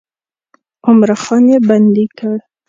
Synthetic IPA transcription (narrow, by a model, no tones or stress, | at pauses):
ʊmɾaxɑnjeband̪ikəɽ